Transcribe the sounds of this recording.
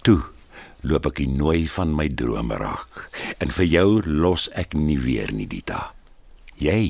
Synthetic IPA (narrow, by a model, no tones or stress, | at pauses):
tu | luəpɛkinuəjfɐnməjdruəmə̰rɑ̰ːkənfərjœwlɔsɛkniviərnḭditʰɑ | jɛj